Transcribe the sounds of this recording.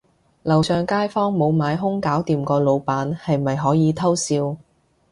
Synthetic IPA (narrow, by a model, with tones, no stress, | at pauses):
lɐ˨wsœː˨ŋkaː˥jfɔː˥ŋmo˨˧wmaː˨˧jɦʊ˥ŋkaː˨˥wt̪iː˨mkɔː˧lo˨˧wpaː˨˥nhɐ˨jmɐ˨jɦɔː˨˥jiː˨˧t̪ʰɐ˥wsiː˧w